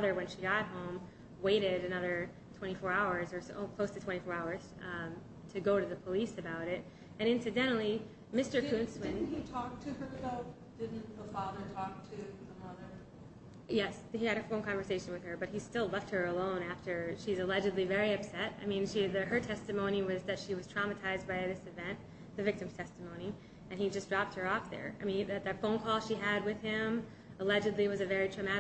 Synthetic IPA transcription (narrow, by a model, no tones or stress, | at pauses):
ʌðə˞wɨ̃nʃiɡɑɾt̚ɦõʊ̃m | weɪɾɪɾɨnʌðə˞ | tʰw̥ɛ̃ɾ̃ifɔɹaʊə˞zə˞sˠkʰl̥oʊstʰɨtʰw̥ɛ̃ɾ̃ifɔɹaʊə˞z̥ | tʰɨɡoʊɾɨðɨpʰəlisɨbaʊɾɪt̚ | ɨ̃ñɪ̃nsɨdɛ̃ɾ̃l̩ˠi | mɪstə˞ʉ̃nswɪɪ̃nn̩hitʰɔk̚tʰɨə˞ðoʊ | d̥ɪdⁿn̩ðəfɑðə˞tʰɔk̚tʰɨðəmʌðə˞ | jɛs | hiɨɾɨfõʊ̃nkʰɑ̃ɱvə˞seɪʃɨ̃nwɨð̥ə˞bʌt̚histɪlˠɛft̚hə˞əlõʊ̃næftə˞ʃizɨlɛd͡ʒɨdˡlivɛɹiʌpsɛta̰ɪmĩnʃiðɨə˞tʰɛstɨmõʊ̃ɾ̃iwʌzðɨtʃiwʌz̥tʰɹ̥ɑmɨtʰaɪz̚baɪðɪsɨvɛ̃nʔ | ðɨvɪk̚tɨ̃mz̥tʰɛstɨmõʊ̃ni | ʔɨ̃nid͡ʒʌsdɹɑp̚t̚hə˞ɔfðə̰˞a̰ɪmĩnðɨðɨfõʊ̃nkʰɔlˠʃiɨd̚wɨð̥ɪ̃m | əlɛd͡ʒɨdˡliwʌzɨvɛɹitʰɹ̥ɨmæɾ